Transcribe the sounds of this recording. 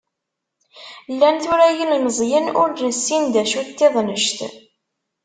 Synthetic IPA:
lːænθʊɾæjənnəzˤjənʊ̰ɾnəsːind̪æʃut̪ːeðˤnəʃt̪

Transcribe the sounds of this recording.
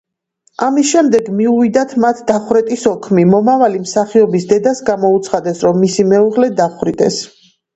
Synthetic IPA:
amisʃɛmd̪ɛɡmiuvid̪at̪ʰmat̪ʰd̪aχwɾɛt̪ʼisɔkʰmimɔmavalimsaχiɔbisd̪ɛd̪asɡamɔut̪sʰχad̪ɛsɾɔmːisimɛuʁlɛd̪aχɾit̪ʼɛs

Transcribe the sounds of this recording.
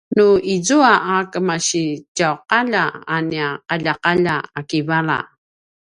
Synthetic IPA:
nuizuaʔakəmaɕicawqaʎaaniaqaʎaqaʎaakivaɾa̰

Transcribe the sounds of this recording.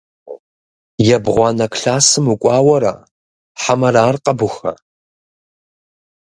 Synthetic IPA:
jɛbʁʷɑnɐkʰɬaːsɨmukʷʼɑːwɐɾa̰ | ħamɐɾaːrqʼɐbʊxɐ̰

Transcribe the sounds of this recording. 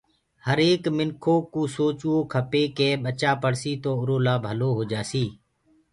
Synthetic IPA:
həɾeːkmɪnkʰoːkuːsoːt͡ʃuoːkʰəpeːkeːɓət͡ʃaːpəɽsiːt̪oːʊɾoːlaːbʱəloːɦoːd͡ʒaːsiː

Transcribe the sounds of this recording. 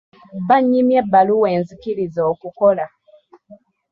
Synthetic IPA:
baɲimjɛbaluweːnzikilizɔkukola

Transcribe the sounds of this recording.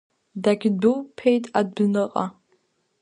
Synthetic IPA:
daɡʲbɨwpʰejtʼad̚bnɨqʼa̰

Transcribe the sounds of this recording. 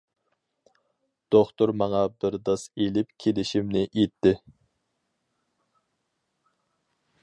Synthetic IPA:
d̪̥oχt̪oɾmɑŋɑbɪɾd̪ɑselɪp̚kʲʰelɪʃimnɪʔet̪ʰːɪ

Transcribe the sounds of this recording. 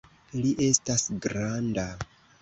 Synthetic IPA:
liʔe̞stasɡɾanda

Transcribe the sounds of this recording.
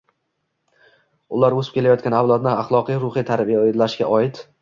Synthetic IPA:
ʊlaɾɵsɪ̥pkʲe̞lajɒt̪kʲanawlˠad̪nɪaχlˠɒqijɾʊχijt̪ʰaɾbijaed̪laʃɡʲa̰ʔɒɪt̪

